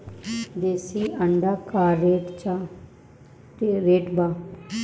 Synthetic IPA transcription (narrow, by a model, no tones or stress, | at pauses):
d̪eːsiːəɳɖaːkaːɾeːʈt͡ʃaː | teɾeːʈbaː